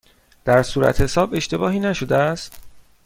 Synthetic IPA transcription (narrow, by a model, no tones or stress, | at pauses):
d̪̥æɾsuːɾæ̰t̪ʰhe̞sɒːbe̞ʃt̪e̞bɒːɦiːnæʃo̞d̪eæst̪